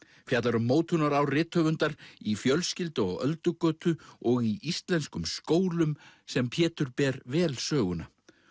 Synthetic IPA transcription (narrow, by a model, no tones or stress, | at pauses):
fjat̪laɾʏmːoːwt̪ʰʏnaɾawrɪːt̪hœːvʏnt̪aɾifjœlscɪlt̪ʏɔɣœlt̪ʏkœːt̪ʏɔɣiʔist̪lɛnskʏmskoːwlʏmsɛmpʰjɛːt̪ʏɾpɛɾvɛːlsœːɣʏna